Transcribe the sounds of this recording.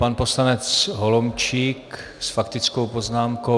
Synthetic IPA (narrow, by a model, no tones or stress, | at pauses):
panpo̞slanɛt͡sɦolomt͡ʃik | sfakt̪ɪt͡sko̞wpoznaːmko